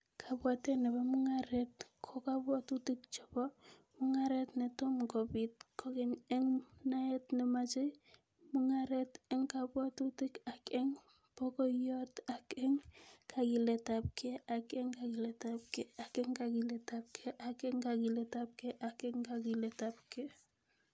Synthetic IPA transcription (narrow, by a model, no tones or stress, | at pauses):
kʰabwatenebemuŋaɾet̚kʰokabwatutik̚t͡ʃɔbo | muŋaɾetnetomɡobit̚kʰoɡeneŋnaetnemat͡ʃej | muŋaɾeteŋkabwatutikakeŋ | pokojotakeŋkʰaɡiletap̚kʰeʔakeŋkaɡiletap̚keakeŋkaɡiletap̚kʰeʔakeŋkaɡiletap̚keʔakeŋkaɡiletapke